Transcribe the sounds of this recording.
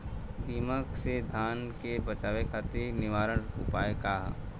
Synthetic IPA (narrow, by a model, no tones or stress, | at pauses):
d̪iːməksed̪ʱaːnkebɐt͡ʃaːʋekʰaːt̪enɪʋaːɾəɽʊ̰paːekaːɦ